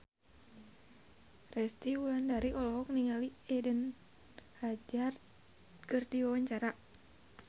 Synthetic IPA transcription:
rɛst̪iulandaɾiʔɔlɔɦɔk̚niŋaliɛdən | had͡ʒar | kɨrdiwawaɲt͡ʃaɾa

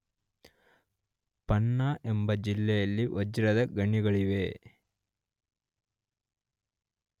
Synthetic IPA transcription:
pɐnːaʔembɐd͡ʒilːɛjɐlːiʔɔd͡ʒiɾɐd̪ɐɡɐɳiɡɐɭiʋe

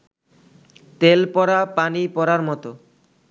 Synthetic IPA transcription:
t̪elpɔɾapanipɔɾaɾmɔt̪o

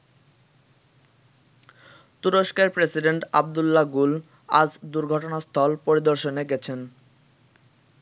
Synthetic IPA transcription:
t̪uɾoʃkeɾpɾesiɖeɳʈa̰b̚d̪ulːaɡul | a̰d͡ʑd̪uɾɡʱɔʈonast̪ʰɔlpoɾid̪oɾʃoneɡɛt͡ɕʰen

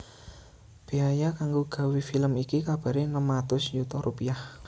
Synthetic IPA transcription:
b̥eajakaŋɡoɡ̥ä̤wifiləmikikab̥ä̤ɾenəmat̪ʊsjut̪ɔɾupiah

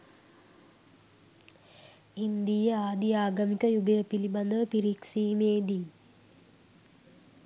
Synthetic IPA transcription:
ind̪ijəaːd̪iaːɡɐmikəjuɡəjəpiliband̪əpiɾiksiːmeːd̪i

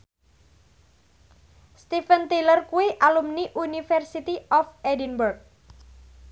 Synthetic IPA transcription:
st̪ifənt̪ilərkuwiʔalumniʔunifɛrsit̪iɔfedinburk̚

